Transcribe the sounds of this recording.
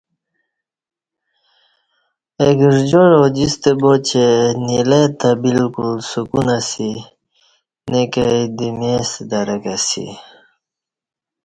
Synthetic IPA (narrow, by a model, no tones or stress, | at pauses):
eɡiʐd͡ʑoɻod͡ʑist̪ebot͡ɕenilet̪abilkulsukunasi | nekajd̪imesd̪aɾakasḭ